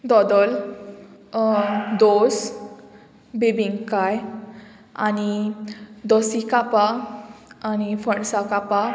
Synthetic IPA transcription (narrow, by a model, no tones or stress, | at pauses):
d̪ɔd̪əl | d̪os | bebiŋkaj | a̰ni | d̪ɔsikapa | anifəɳsakapa